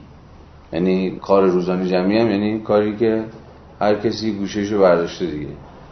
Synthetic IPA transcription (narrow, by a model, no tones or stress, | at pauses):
jæniːkʰɒːɾeɾuːzɒːned͡ʒæmiːæmjæniːkʰɒːɾiːke | hæɾcʰesiːɡuːʃeʃ̬oβæɾd̪ɒːʃt̪ed̪iɡḛ